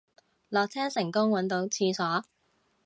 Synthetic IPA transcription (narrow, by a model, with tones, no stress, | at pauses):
lɔː˨k̚t͡sʰɛː˥ŋsɪ˨˩ŋkʊ˥ŋwɐ˨˥nt̪o˨˧wt͡sʰiː˧sɔː˨˥